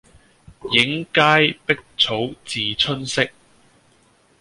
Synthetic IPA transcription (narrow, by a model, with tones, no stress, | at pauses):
jɪ˨˥ŋkaː˥jpɪ˥k̚t͡sʰo˨˥wt͡siː˨˩t͡sʰɵ˥nsɪ˥k̚